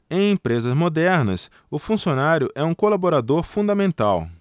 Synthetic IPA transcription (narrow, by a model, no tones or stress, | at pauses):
ẽj̃ẽpɾezɐzmod̪ɛɾnɐ̰s | ʊfũsionaɾjʊʔɛũkolaboɾad̪oɾfũd̪ɐmẽnt̪aw